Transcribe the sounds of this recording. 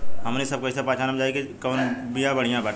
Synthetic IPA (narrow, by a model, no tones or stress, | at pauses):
ɦəmnesɐb̚kosapaːt͡ʃʰaːnəmd͡ʒaːekikɔːnbijãbəɽ̤ijãbaʈ